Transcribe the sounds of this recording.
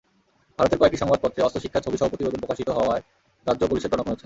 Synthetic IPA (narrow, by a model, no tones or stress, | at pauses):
bʱaɾot̪eɾkɔek̚ʈiʃɔŋbad̪̚pɔt̪ːɾeɔst̪oʃikʰːat͡ɕʰobiʃɔbʱapɾot̪ibod̪onpɾokaʃit̪oɦɔoae | ɾadd͡ʑopoliʃed̪ɾɔnokoɾet͡ɕʰen